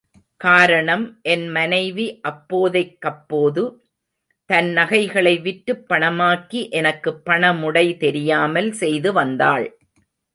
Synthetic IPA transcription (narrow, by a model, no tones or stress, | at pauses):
kaːɾɐɳɐmʔɛnmɐnɐɪʋiʔɐpːoːðɐɪkːɐpːoːðɯ | t̪ɐnnɐɣɐɪɣɐɭɐɪʋɪʈːɯpːɐɳɐmaːkiʔɛnɐkːɯpːɐɳɐmʊɽɐɪt̪ɛɾɪjaːmɐlsɛjðɯʋɐnd̪aːɭ